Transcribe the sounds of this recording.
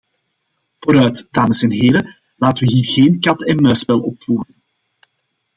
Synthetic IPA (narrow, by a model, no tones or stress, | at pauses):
v̥oːɾœɥtdaːməsɛnɦeːɾə | laːtəʋəɦiːrɣeːnkɑtɛnmœːspɛlˠɔpfuːɾən